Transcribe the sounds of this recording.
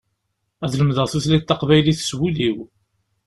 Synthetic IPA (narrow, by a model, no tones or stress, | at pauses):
æðləmðəʁθuθlit̪ːɑqvæjliθswuliw